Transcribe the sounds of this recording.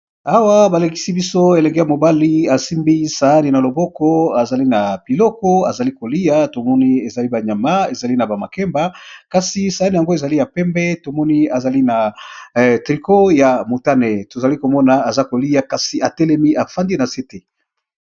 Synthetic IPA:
a˦wa˦ba˨la˨ki̥˨˦si˦bi˦so˦e˨lɛ˨ŋɡe˦ja˨mo˨ba˦li˦a˨si˦mbi˦sa˨a˦ni˨na˨lo˨bɔ˦kɔ˦a˨za˨li˦na˨bi˨lɔ˦kɔ˦a˨za˨li˦ko˨li˦ja˦to˨mɔ˦ni˦e˨za˨li˦ba˨ɲa˨ma˦e˨za˨li˦na˨ba˨ma̰˨kɛ˦mba˦ka˨si˨sa˨a˦ni˨a˨ŋɡo˦e˨za˨li˦ja˨pɛ˦mbɛ˦to˨mɔ˦ni˦a˨za˨li˦na˨ | tʁi˨ko˦ja˨mo˨ta˦nɛ˨to˨za˨li˦ko˨mɔ˦na˨a˨za˦ko˨li˦ja˦ka˨si˨a˨tɛ˦lɛ˦mi˦ʔa˨fa˦ndi˦na˨se˦te˦

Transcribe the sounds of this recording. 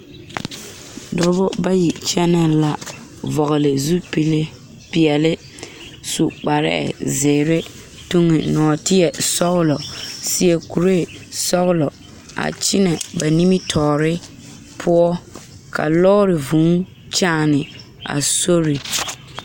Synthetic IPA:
dʊ˨ɾbʊ˦ba˦ji˨t͡ʃɛ˦nɛ˦la˦ | vɔ˨ɣɪ˨lɪ˨zu˦pi˨le˦ | pɪ˨ɛ˨lɪ˦ | su˨k͡pa˨ɾɛ̰˦ɛ̰˨zɪː˨ɾɪ˦ | tu˦ŋɪ˨nɔː˨tɪ˦jɛ˨sɔ˦ɣʊ˦lɔ˨sɪ˦jɛ˨ku˨ɾe˦˨sɔ˦ɣɪ˦lɔ˨ | a̰˨t͡ʃɪ˦nɛ˨ba˨ni˦mi˦tʰɔː˨ɾɪ˦ | pʰʊ˦ɔ˦ | kʰa̰˨lɔː˦ɾɪ˨vu˨˦ŋ | t͡ʃaː˦˨nɪ˨ | a̰˨so˦ɾi˨

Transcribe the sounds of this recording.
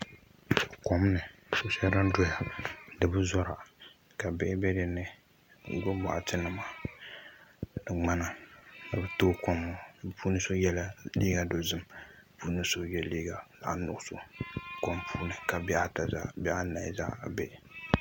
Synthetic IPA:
kɔ˨m˦nɨ˨so˨˦sɛ˦ɾa˦n˦dɔ˦ja˨dɨ˨bɨ˦zɔ˦ɾa˨ | ka˨bɛ˦ʔbɛ˦dɨ˨nɨ˨ | ɡo˦bɔ̰˨ʔa̰˨tɨ˦nɨ˨ma˨ | dɨ˨ŋ͡ma˦na˨na˨bɨ˨toː˦kɔ˦mːo˨puː˦nɨ˦so˦jɛ˦la˦liː˦ɡa˨do˨zɨ˦mpuː˦nɨ˦so˦jɛ˦liː˦ɡa˨la̰˨ʔa˨nʊ̰˨ʔʊ˦so̰˨ko˦mpʰuː˦nɨ˨ka˨bɛ˦ʔa˦ta˨za̰˦bɛ˦ʔa˦na̰˨za̰˦ʔbɛ˨ʔ

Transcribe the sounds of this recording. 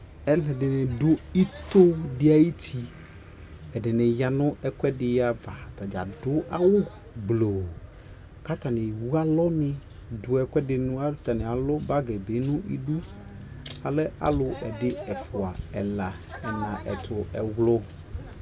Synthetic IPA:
ɛ˦lɛ˨ɖɪ˨nɪ˨dʊ˦i˦t̪ʊ˦ɖɪ˦a˨ji˦t̪ʰi˨ | ɛ˨ɖɪ˨nɛ̃˨ja˨nʊ̃˦ɛ˦˨kwɛ˦ɖɪ˨˦ja˨va˨a˨t̪a˨d͡ʒa̰˨dʊ˦ʔa˦wʊ˦ | ɡ͡blo˨ | ka˦t̪a˨nɪ̃˨wu˦a˦lɔ˦mɪ̃˦ | dʊ˨ɛ˨kʷɛ˦ɖɪ˨nʊ̃˦a˦t̪a˨nɪ˨a˨lʊ˦ba˦ɡɛ˨be˨˦nʊ̃˦ʔḭ˦du˦ | a˨lɛ˦ʔa̰˨lʊ˦ʔɛ˨ɖɪ˦ɛ˨fʊ˨a˨ɛ̰˨la˨ | ɛ˨nã˨ʔɛ̰˨t̪ʰʊ˨ɛ˨wlʊ˦

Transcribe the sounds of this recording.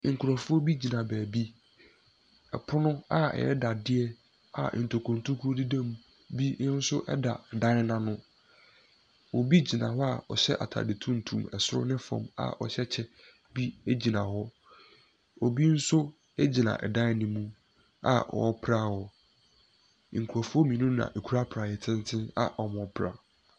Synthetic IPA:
ŋ̩˨kʰʊ˨ɾɔ˨fʊ˦ɔ˦bi˦d͡ʑi˨nã˨bæː˨bi˦ | ɛ˨pʰʊ˦nʊ̃˦a˦ɛ̰˨ɛ̰˦da˨dɪ˦ɛ˦ | a̰˨n̩˨tʰo˨kʰõ˨n˨tʰu˦kʰu˦o˦di˦dã˦mũ˨ | bĩ˦n̩˦sʊ˦ʔɛ˦da˨dã˦n˦nã˦nʊ̃˦ | wɔ˨bi˦d͡ʑi˨nã̰˨ɦɔ˦a˨ɔ̰˨ɕɛ̰˦ʔa̰˨tʰa̰˨dɪ˨tʰũ˦n̩˨tʰṵ̃˨mɛ̰˨sʊ˦ɾʊ̰˦nɪ̃˦fɔ̰̃˨ma̰˨ʔɔ̰˨ɕɛ˦t͡ɕʰɛ˦ | bi˦e˦d͡ʑi˨nã˨hɔ˦ | o˨bi˦n̩˦sʊ˦ | e˦d͡ʑi˨nã̰˨ʔɛ˨dã˦nɪ̃˦mũ˦ | a̰˨ɔ̰˨ɔ˦pʰɾa˦hɔ˨ | ŋ̩˨kʰu˨a˨fu˦o˦mĩ˨nũ˦nã̰˨ʔe˨kʰu˦ɾa˦pʰɾa˨jɛ˨tʰɪ̃˦n˦tʰɪ̃˦na̰˨ʔɔ˨mɔ̃˨pʰɾa̰˨

